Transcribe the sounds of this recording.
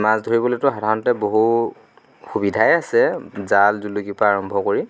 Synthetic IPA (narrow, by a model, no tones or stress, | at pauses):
mazdʱoɹibɔletʊɦɔdʱaɔnɔtɛboɦu | xubidʱajasɛzalzulukipaːɹɔmbʱɔkoɹi